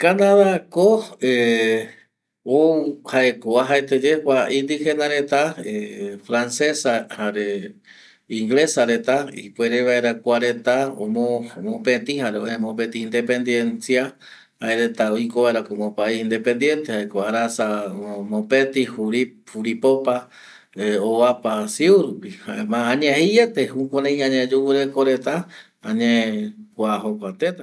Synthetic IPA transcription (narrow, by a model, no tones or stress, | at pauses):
kanãðakoe | owhaekoaɦaet̪ed͡ʒekʷaind̪ihenãɾet̪aefɾansesahaɾe | iŋɡlesaɾet̪aḭpwʷeɾeβaeɾakʷaɾet̪ao̰momõpet̪ihaɾeoemõpet̪iːnd̪epe̞nd̪jensia | haeɾet̪aojkoβaeɾakomõpaiind̪epe̞nd̪je̞nt̪ehaekoaɾasamõpet̪ihuɾihuɾipopa | eoβapasiuɾupihaemãːɲẽhejet̪ehukõnẽj̃ãɲed͡ʒuwɨɾekoɾe̞t̪a | ãɲẽkʷaɦokʷat̪et̪a